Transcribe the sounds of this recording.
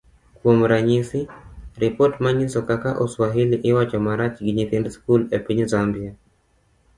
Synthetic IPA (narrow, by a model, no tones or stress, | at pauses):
kwomɾaɲisiɾɪpɔtmaɲisɔkakaʔɔswaɦiliʔɪwat͡ʃɔmaɾat͡ʃɡɪɲit̪indskulepiɲzambia